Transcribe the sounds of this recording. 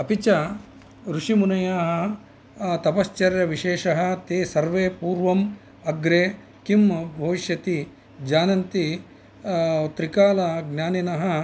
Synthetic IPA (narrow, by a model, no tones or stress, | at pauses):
ɐpit͡ʃɐ | ɾuʂimunɐjaːɦɐ | t̪ɐpɐst͡ʃɐɾjɐʋiʃeːʂɐɦɐt̪eːsɐɾʋeːpuːɾʋɐm | ɐɡɾeː | kimbʱɐʋiʃjɐt̪i | d͡ʒaːnɐnt̪i | t̪ɾikaːlɐɡnʲjaːninɐɦɐ